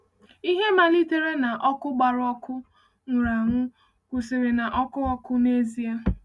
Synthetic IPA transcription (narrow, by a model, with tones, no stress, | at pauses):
i˦ɦe˦ma˨ni˦te˦ɾe˦na˨ʔɔ˦kʊ˦ɡ͡ba˨ɾʊ˦ɔ˦kʰʊ˦ | ŋʷʊ˨ɾa˨ŋʷʊ˦ | kʷu˨se˨ɾe˨na˨ʔɔ˦kʊ˦ɔ˦kʊ˦ne˦zi˦a˦